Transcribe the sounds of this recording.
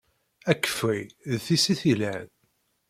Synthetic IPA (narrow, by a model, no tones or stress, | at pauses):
ækːə̥fiðθisiθilæn